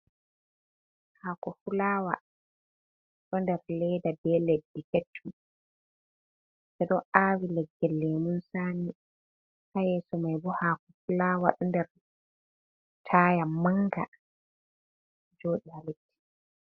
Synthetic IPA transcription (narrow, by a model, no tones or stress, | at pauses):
haːkɔfulaːwa̰ | ɗɔndɛɾlɛjdabɛledːiketʰːu | sɛɗɔʔaːwilɛɡːɛlːɛmunsaːni | hajɛsɔmajbɔhaːkɔfulaːwa̰ɗɔndɛɾ | tʰajamaŋɡa̰ | d͡ʒoːɗihaletːi̥